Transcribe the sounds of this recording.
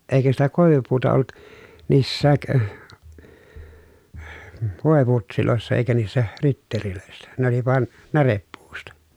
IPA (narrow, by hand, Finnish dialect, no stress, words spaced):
eikæ sitæ koˑeʋupuːtɑ olːut niːsːæːk ʋoˑeputsiloˑesːɑ eikæ niːsːæ ritːeriløˑesːæ ne oli ʋɑn nærepːuːstɑ